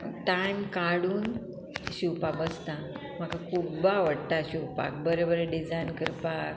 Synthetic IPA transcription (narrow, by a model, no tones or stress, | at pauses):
ʈajmkaɽuːn | ɕuwpabəst̪a | m̤akakʰubaʋəɽt̪aɕiwpa̰k̚bəɾebəɾeɖid͡zajnkəɾpak